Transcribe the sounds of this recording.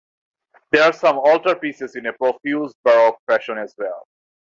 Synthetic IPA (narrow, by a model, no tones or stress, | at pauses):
d̪eɾaːɾsʌ̃mɔːlʈəɾpiːsɪzɪ̃nepɾofjuːzɖ̚bəɾɔpɾɛʃə̃nɛzwɛl